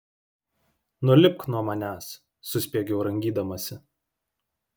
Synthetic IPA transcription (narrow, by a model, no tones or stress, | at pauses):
nʊɔlʲɪp̚knuɔmɐnʲæːsː | ʊsʲpʲiɛɡʲɛʊɾɐŋʲɡʲiːd̪ɐmɐsʲɪ